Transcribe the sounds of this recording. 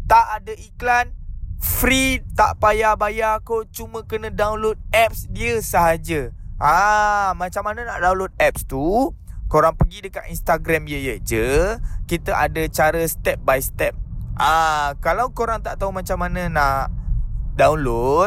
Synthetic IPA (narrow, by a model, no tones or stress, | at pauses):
t̪aʔadəiklanfɾit̪a̰ʔpajabajakot͡ʃumə̃kənə̃dawnlot̪̚ɛp̚sdiəsəɦad͡ʒəʔamat͡ʃamːanənaʔdaw̃nlot̪̚ɛp̚st̪ukoɾaŋpəɡidəka̰t̪inst̪aɡɾamijəjəd͡ʒəkit̪əʔa̰dət͡ʃaɾəst̪ɛp̚bajst̪ɛp̚akalawkoɾaŋt̪aʔt̪aumat͡ʃamːanənaʔdawnlot̪̚